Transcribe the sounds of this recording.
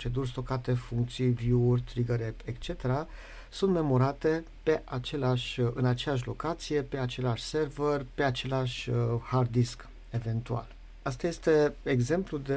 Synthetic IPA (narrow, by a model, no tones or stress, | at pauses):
t͡ʃe̞d̪urʲs̬t̪o̞kat̪e̞fuŋk̚t̪sijvjuurʲt̪ɾiɡəɾepekt͡ʃe̞t̪e̞ɾa | sunt̪me̞mo̞ɾat̪e̞ | pe̞ʔat͡ʃe̞leaʃʲɨnat͡ʃejaʃ̬lo̞kat̪sije̞pe̞at͡ʃe̞leaʃʲse̞rverʲpe̞at͡ʃe̞laʃʲhard̪isk | e̞ve̞nt̪ua̰l | ast̪aje̞st̪e̞eɡze̞mplud̪e